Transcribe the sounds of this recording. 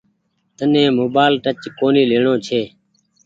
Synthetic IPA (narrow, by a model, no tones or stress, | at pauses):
t̪ənẽːmoːbaːlʈət͡ʃkoːniːleːɳõːt͡ʃʰeː